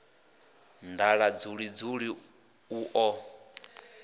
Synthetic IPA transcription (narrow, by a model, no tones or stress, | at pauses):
nd̪aɺad͡zuɺid͡zuɺi | uʔɔ